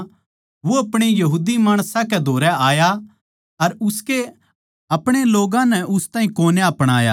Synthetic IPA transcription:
ʋoɐpɽ̃ejɐɦuːd̪imaːɽ̃sãkɛd̪ʱoːɾɛaːja | ɐɾʊske | ɐpɽ̃eloːɡãnɛʔʊst̪aːĩkoːneɐpɽ̃aːja̰

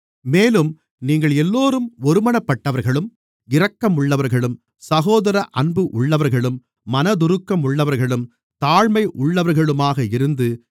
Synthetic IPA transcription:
meːlɯm | niːŋɡɐɭɛlːoːɾɯmɔɾɯmɐnɐpːɐʈːɐʋɐɾɣɐɭɯm | ɪrɐkːɐmʊɭːɐʋɐɾɣɐɭɯm | sɐɣoːðɐɾɐʔɐnbɯʔʊɭːɐʋɐɾɣɐɭɯmː | ɐnɐd̪ʊɾɯkːɐmʊɭːɐʋɐɾɣɐɭɯm | t̪aːɻmɐɪʔʊɭːɐʋɐɾɣɐɭɯmaːɣɐɪɾɯnd̪ɯ

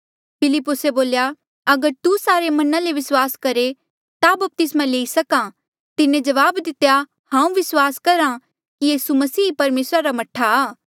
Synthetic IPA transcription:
pʰɪlɪpːʊseboːlja | ɐɡəɾt̪usaːɾemɐnãleʋɪswaːskɐɾe | t̪abɐp̚t̪ɪsmãleːisɐka | t̪ɪnẽd͡ʒɐʋaːbd̪ɪt̪ːja | hãːũʋɪswaːskɐɾã | kijiːsumɐsiːpɐɾmeːsɾaɾamɐʈʰːaaː

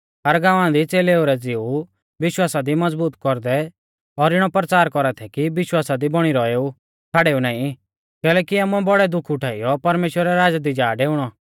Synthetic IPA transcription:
ɦɐɾɡãːʋãd̪it͡seːleːoɾɛd͡zɪu | ʋɪʃwaːsad̪imɐd͡zbuːt̪kɔɾd̪ɛ | ɔɾɪɽ̃ɔpɾət͡saːɾkɔɾat̪ʰɛkiʋɪʃwaːsad̪ibɔɽ̃iɾɔeːu | t͡sʰaːɽeːunãːĩ | kɛːlɛːkiaːmuɛbɔɽɛd̪ʊkʰʊʈʰaːijɔpɐɾmeːʃwəɾɛɾaːd͡ʒad̪id͡ʒaːɖeːʊɽ̃ɔ

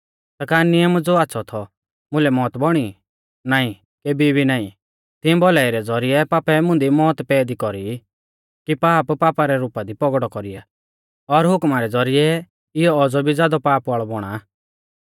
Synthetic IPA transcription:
sɐkaːɾnɪjəmd͡zoat̪ːsʰɔt̪ʰɔ | mʊ̃lɛmɔːt̪bɔɽ̃i | naːĩ | keːbibʱinaːĩ | t̪ɪɛ̃bɔlaːiɾɛd͡zɔɾijɛpaːpɛmʊ̃nd̪imɔːt̪pɛːd̪ikɔɾi | kipaːppaːpaɾɛɾuːpad̪ipɔɡɽɔkɔɾija̰ | ɔɾɦʊkmaɾɛd͡zɔɾɪɛ | ɪjɔːd͡zɔbʱid͡zaːd̪ɔpaːpʋɔɭɔbɔɽ̃a

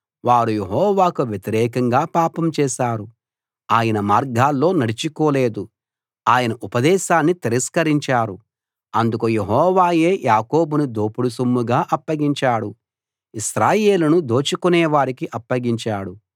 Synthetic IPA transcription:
ʋaːɾuje̞ɦɔːʋaːkuʋjet̪iɾɛːkɐŋɡaːpaːpɐmt͡ʃɛːʃaːɾu | aːjɐnɐmaːɾɡaːlːo̞ːnɐɽit͡ʃikoːle̞ːd̪u | aːjɐnɐʔupɐd̪ɛːʃaːnːit̪iɾɐskɐɾiɲt͡ʃaːɾu | ɐnd̪ukuje̞ɦɔɔːʋaːje̞ːjʔaːko̞ːbunud̪oːpuɽusumːuɡaːʔɐpːɐɡiɲt͡ʃaːɽu | iʃɾaːjeːlunud̪o̞ːt͡ʃikunɛːʋaːɾikiʔɐpːɐɡiɲt͡ʃaːɽu

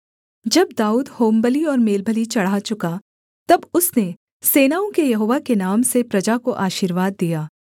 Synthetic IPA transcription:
d͡ʒɐb̚d̪aːuːd̪hoːmbəliɔːɾmeːlbʱəlit͡ʃɐɽ̤ɦat͡ʃʊka | t̪ɐbʊsne | seːnaːõkejɐɦoːʋakenaːmsepɾɐd͡ʒakoʔaːʃiːɾʋaːd̪ːijaː

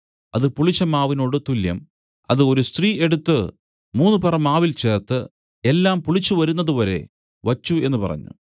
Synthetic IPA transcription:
ɐ̰ðɨpuɭit͡ɕːɐmaːʋino̞ːɽɨt̪uljɐ̰m | ɐ̰ðɨo̞ɾust̪riːʔe̞ɽut̪ːɨ | muːnːupɐrɐmːaːʋilt͡ɕe̞ːrt̪ɨ | e̞lːaːmpuɭit͡ɕːuʋɐɾunːɐðuʋɐɾe̞̰ | ʋɐt͡ɕːue̞nːɨpɐ̰rɐ̰ɲːṵ

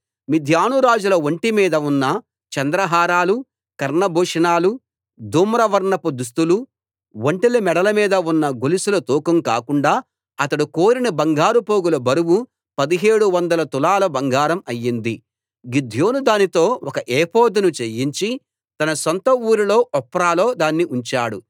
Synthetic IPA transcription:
mid̪ʱjaːnuɾaːd͡ʒulɐʋoɳʈimiːd̪ɐunːɐ | t͡ʃɐnd̪ɾɐɦaːɾaːlu | kɐɾɳɐbʱuːʂɐnaːlu | d̪uːmɾɐʋɐɾɳɐpud̪us̬t̪ulu | woɳʈilimɛɽɐlɐmiːd̪ɐunːɐɡolisulɐt̪uːkɐmka̰ːkuɳɖaː | ɐt̪ɐɽukoːɾinɐbɐŋɡaːɾupo̞ːɡulɐbɐɾuwu | pɐd̪iɦe̞ːɽuʋɐnd̪ɐlɐt̪ulaːlɐbɐŋɡʱaːɾɐmɐjːind̪i | ɡid̪ʱjo̞ːnud̪aːnit̪o̞ːɔkɐʔeːpoːd̪unut͡ʃejiɲt͡ʃi | t̪ɐnɐsɔnt̪ɐuːɾilo̞ːʔɔpːɾaːlo̞ːd̪aːnːiʔuɲt͡ʃaːɽu

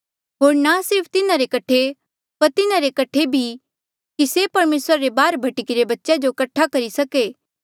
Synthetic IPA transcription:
ɦoːɾnasɪɾpʰt̪ɪnaɾekɐʈʰe | pɐɾt̪ɪnaɾekɐʈʰebʱi | kisepɐɾmeːsɾaɾebaːɾbʱɐʈɪkiɾebɐtːʃad͡ʒokɐʈʰːakɐɾisɐkeː

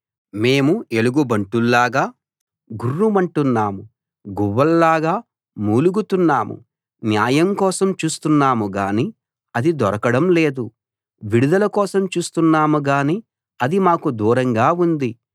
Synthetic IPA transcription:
me̞ːmue̞luɡubɐɳʈulːaːɡaː | ɡurːumɐɳʈunːaːmu | ɡuʋːɐlːaːɡaː | muːluɡut̪unːaːmṵ | njaːjɐmkɔːsɐmt͡ʃuːst̪unːaːmuɡaːni | ɐd̪id̪ɔɾɐkɐɽɐmle̞ːd̪u | ʋiɽud̪ɐlɐkɔːsɐmt͡ʃuːst̪unːaːmuɡaːni | ɐd̪imaːkud̪uːɾɐŋɡaːund̪i

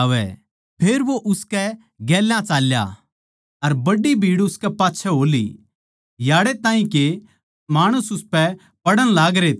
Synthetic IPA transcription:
ʋɛ̰ | pʰeːɾʋoʔʊskɛ | ɡɛːlãt͡ʃaːlja̰ | ɐɾbɐɖibʱiːɽʊskɛpaːtːʃʰɛɦoːlḭ | jaːɽet̪ãːĩke | maːɽ̃ʊsʊspɛ | pɐɽəɽ̃laːɡɾeːt̪

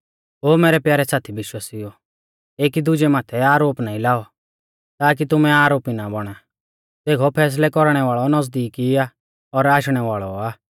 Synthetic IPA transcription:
ɦoːmeːɾɛpjaːɾɛsaːt̪ʰibɪʃwaːsiɔ | eːkid̪ʊd͡ʒɛmaːt̪ʰɛaːɾoːpnaːĩlaːɔ | t̪aːk̬it̪ʊmɛaːɾoːpinabɔɽ̃a | t̪eːkʰɔpʰɛːs̬lɛkɔɾɽ̃ɛʋaːɭɔnɔzd̪iːkia | ɔɾaːʃɽ̃ɛʋaːɭɔaː

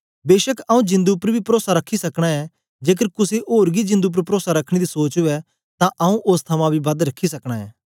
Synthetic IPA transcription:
beːʃəkɐũd͡ʒɪ̃nd̪upəɾbʱipɾoːsaɾɐkʰːisɐkɽ̃aɛ | d͡ʒeːk̬əɾkʊseʔoːɾɡid͡ʒɪ̃nd̪up̬əɾpɾoːsaɾɐkʰːɽ̃ed̪isoːt͡ʃɦʊɛ | t̪ãʔɐũʔʊst̪ʰɐmãbʱibɐd̪ɾɐkʰisɐkɽ̃aːɦɛː

